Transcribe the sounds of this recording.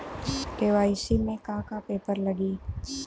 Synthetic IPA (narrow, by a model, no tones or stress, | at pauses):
ʈeːʋaːisimẽkaːkapeːpəɾlɐɡiː